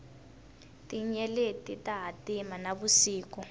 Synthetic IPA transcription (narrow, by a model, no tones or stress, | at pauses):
tiɲɛletitaɦatimanaβusiːkɔ